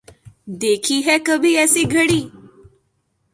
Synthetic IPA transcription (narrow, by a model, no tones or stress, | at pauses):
d̪ekʰiːɦɛkəbʱiːɛsiːɡʱəɽiː